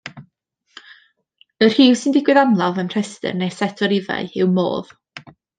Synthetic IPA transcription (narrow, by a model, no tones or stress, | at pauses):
ər̥hiːwsɪndɪɡwɪðamlˠavənr̥ɛstɨ̰rnejsɛtʰɔɾɪva̰ɨɪwmo̰ːð